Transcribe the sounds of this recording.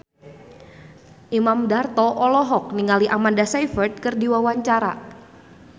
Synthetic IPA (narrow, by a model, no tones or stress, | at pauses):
ʔimamdart̪ɔʔɔlɔɦɔk̚niŋaliʔamandasajfərt̪̚kərdiwawaɲt͡ʃaɾa